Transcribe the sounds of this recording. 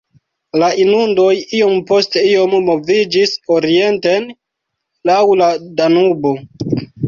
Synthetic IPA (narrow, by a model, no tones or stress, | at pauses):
laʔinundo̞jio̞mpo̞ste̞io̞mːo̞vid͡ʒiso̞ɾie̞nte̞n | lawladanubo